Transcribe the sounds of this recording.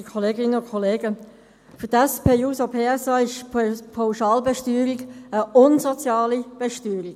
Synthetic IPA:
kʰɔleːɡɪnəʊkʰɔleːɡə | fytɛspʰeːuːsopʰeːɛsɑːɪʃpʰawʃɑːlbɛʃtyːɾiɡəʊnzot͡sjɑːlib̥ɛʃtyːɾiɡ̥

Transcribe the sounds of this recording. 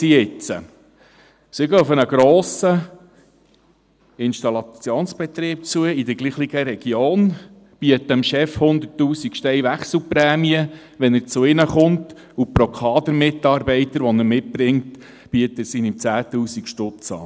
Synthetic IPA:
siɪt͡sə̰ | sɪɡoufənəɡ̥ɾoːsə | ɪnʃtɑlɑt͡sjoːnsb̥ɛt̪ɾɪːp̚t͡suəid̪əɡliːχliɡəɾɛɡ̥joːn | b̥iət̚dəmʃɛfhʊnd̪ətːuːsikʃtɛɪʋæχsl̩ˠpɾɛːmiə | ʋɛnəɾt͡sʊɪnəχʊnt | upɾɔkʰɑːd̪əɾmɪtɑːɾbɛɪt̪əɾʋɔnəɾmɪt̚b̥ɾɪŋt | b̥iət̪əsinimt͡sæːtuːsikʃtʊt͡sɑ̰ː

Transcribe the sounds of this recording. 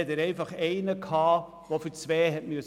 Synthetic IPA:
ɛtɛɾɛɪfɑχɛɪnəkʰɑː | ʋofyt͡sʋɛːɦɛtmyəs

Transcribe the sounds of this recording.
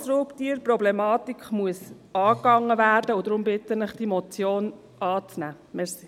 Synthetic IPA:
sɾoːpt̪iːəɾprɔblɛmɑːt̪ikχmuəs | ɑːkːɑŋːəvæːɾd̥əʊd̪ɾʊmbɪt̪ːənəχd̥imɔt͡sjoːn | ɑːt͡snæː | mɛsi

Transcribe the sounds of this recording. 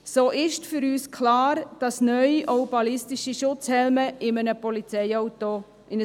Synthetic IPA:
soːʔɪʃtfyɾyːskʰlɑːrd̥ɑsnœʏiʔɔʊbɑlɪstɪʃiʃʊt͡shɛlməʔɪmənəpɔlit͡sɛɪɑwto | ʔɪnə

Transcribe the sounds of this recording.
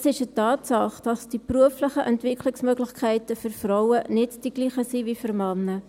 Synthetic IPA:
sɪʃətɑːtsɑχd̥ɑsd̥ipruəfləχəʔɛntvɪkʰlɪsmœɡlɪχkʰæɪtəfyɾfrɔwənɪdd̥iɡ̥liːχəsivifʏɾmɑnːə

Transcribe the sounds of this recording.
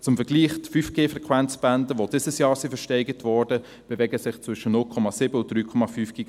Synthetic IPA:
t͡sʊmfəɡliːχtfyːfɡ̥eːfrɛkʰwɛnt͡sb̥ændəʋod̥ɪsəsjɑːɾsifəʃtɛɪɡətvɔɹd̥ə | b̥evɛɡəsɪχt͡svʏʃənʊlkʰɔmɑsɪbəʊn̚d̥ryːkʰɔmɑfyːfɡ̥i

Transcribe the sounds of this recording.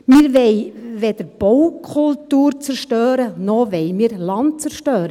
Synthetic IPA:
mɪːɾʋɛɪʋɛd̥̪əɾb̥ɔwkʰʊlt̪uːɾt͡sɛɾʃtøːɾənɔʋɛɪmiːɾlɑnt̚t͡sɛɾʃtøːɾə

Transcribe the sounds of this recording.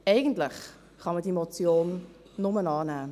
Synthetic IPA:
ɛjɡəntləχ | χɑnmədimot͡sjoːnː | omənɑːnæː

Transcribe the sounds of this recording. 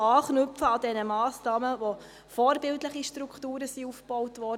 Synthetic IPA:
ɑːχnʏpfəɑdɛnəmɑːsnɑːməvo | fɔːɾbɪltləχiʃtɾukχtuːɾəsiufb̥ɔwtʋɔːɾd

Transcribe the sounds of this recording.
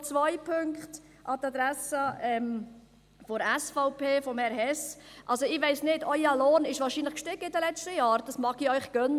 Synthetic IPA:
t͡sʋɔɪpʰʏŋkt | ʔɑt̪ɑd̪ɾɛsəɛm | fɔɾɛsfaʊpeːfɔmhɛɾɦɛsʔɑlsoɪʋeɪsnɪdɔjɑloːnɪʃʋɑːɾʃiːnləɪχkʃtɪɡ̥əɪdəlɛt͡ʃtəjaːɾd̥ɑsmɑɡɪœʏχɡ̥œnː

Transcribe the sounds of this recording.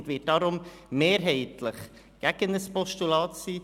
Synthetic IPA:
tʋɪːt̚d̥ɑɾʊmmeːɾɦɛɪtləχ | ɡ̥æɡ̥ənəspɔstulɑːtsiː

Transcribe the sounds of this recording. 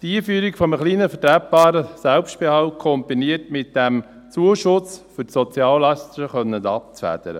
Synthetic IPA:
tiːfyːɾikfɔməχliːnəfɛtɾæp̚b̥ɑːɾəsælpstb̥ehɑlkʰɔmbiniətmɪt̚d̥æm | t͡suəʃʊsfʏɾsɔt͡sjɑːlɑstəχœnːəd̪ɑp̚t͡sfæ̰d̪̥əɾə̰

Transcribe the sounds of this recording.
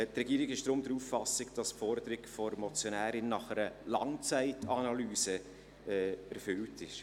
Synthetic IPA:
t̪rɛɡiːɾɪɡɪʃd̥ɾʊmd̥̪ɾuːffɑsɪɡd̥ɑspfɔɾd̪əɾɪɡfɔɾmɔt͡sjonæːɾɪnːɑχəɾəlɑ̰ŋt͡siɪtʰɑnɑlyːsə | ɛːæɾfʏltɪʃ

